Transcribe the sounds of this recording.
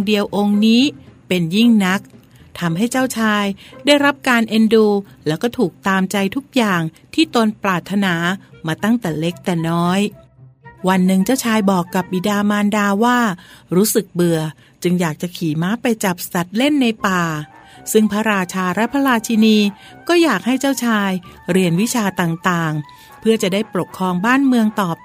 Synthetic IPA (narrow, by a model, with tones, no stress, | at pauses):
ŋdi˧əwʔo˧ŋniː˦˥pe˧nji˥˩ŋna˦˥k̚ | t̪ʰa˧mɦa˥˩jt͡ɕaː˥˩wt͡ɕʰaː˧jdaː˥˩jɾa˦˥p̚kaː˧nʔe˧nduː˧lɛː˦˥wkɔː˥˩t̪ʰuː˨˩k̚t̪aː˧mt͡ɕa˧jt̪ʰu˦˥k̚jaː˨˩ŋ | t̪ʰiː˥˩t̪o˧nplaː˨˩t̪ʰːa˧naː˩˦maː˧t̪a˥˩ŋt̪ɛː˨˩le˦˥k̚t̪ɛː˨˩nɔː˦˥j | wa˧nːɯ˨˩ŋt͡ɕaː˥˩wt͡ɕʰaː˧jbɔː˨˩kːa˨˩p̚bi˨˩daː˧maː˧ndaː˧waː˥˩ɾuː˦˥sɯ˨˩k̚bɯ˨˧ɐ | t͡ɕɯ˧ŋjaː˨˩k̚t͡ɕa˨˩kʰiː˨˩˦maː˦˥pa˧jt͡ɕa˨˩p̚sa˨˩t̪̚le˥˩nːa˧jpaː˨˩ | sɯ˥˩ŋpʰaː˦˥ɾaː˧t͡ɕʰaː˧ɾɛ˦˥pʰa˧˥ɾaː˧t͡ɕʰi˧niː˧ | kɔː˥˩jaː˨˩k̚ha˥˩jt͡ɕaː˥˩wt͡ɕʰaː˧jɾi˧ənwi˦˥t͡ɕʰaː˧t̪aː˨˩ŋt̪aː˨˩ŋ | pʰɯ˥˩ət͡ɕa˨˩daː˥˩jpɾo˨˩kʰɾɔː˧ŋbaː˥˩nmɯ˧əŋt̪ɔː˨˩p̚